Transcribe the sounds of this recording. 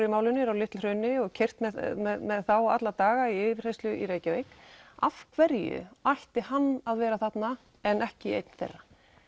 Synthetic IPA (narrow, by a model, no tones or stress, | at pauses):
ɾjʏmaːwlɪnɪɾawlɪht̪lrœːɥnɪɔɣcʰɛjr̥t̪mɛmɛðmɛðθawa̰t̪lat̪aːɣaiɪːvɪr̥hejst̪lʏʔḭɾeːjcavejkafkʰvɛɾjʏ̰ajht̪ɪ̥hanːaðvɛːɾaθat̪na | ɛnʔɛhcɪḛjt̪n̥θḛrːa